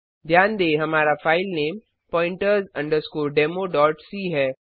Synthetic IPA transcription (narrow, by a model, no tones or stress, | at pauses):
d̪ʱjaːnd̪eːɦɐmaːɾafʰaːɪlneːm | pɔ̃ːɪ̃ɳʈəɾzɐ̃ɳɖəɾskoːɾɖeːmoɖɔːɾʈsiɦɛː